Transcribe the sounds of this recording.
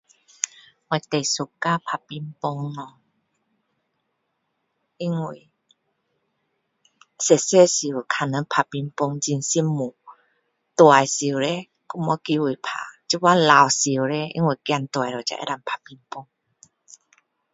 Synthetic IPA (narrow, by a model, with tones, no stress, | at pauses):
ŋa˧˨˩jt̪e˨˩su˨˩kaː˧˥˨pʰa˧˩pi˧mpɔ˧ŋnɔ˧ | ʔi˧˥˨ŋwu˧˨j | se˧˨se˥˨si˧˩˨kʰa˧˩nə˧˦npʰa˧˩pi˧mpo˧ŋzi˧nsi˧˥˨mːu˨ | t̪wa˨jsi˨˩wɾɛ˧˦ | ku˧˥mɔ˧˦ki˧˦wi˧˩˨pʰa̰˧˨t͡ɕi˧˦wa˧˥la˧˨wsi˧˩wɾɛ˧˦ʔḭ˧˦ŋwu˧˨˩kja˧˨nt̪wa˨˩jɾɔ˨˩t͡ɕa̰˧˨ʔɛ̰˧ɾa˧˩mpʰa˨˧˩pi˧mpo˧ŋ